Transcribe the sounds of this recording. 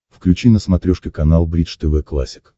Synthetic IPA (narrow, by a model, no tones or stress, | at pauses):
fklʲʉt͡ɕinəsmɐt̪ɾʲoʂkʲɪkɐnalˠbɾʲit͡ʂt̪ɛvɛklˠa̰sʲɪ̥k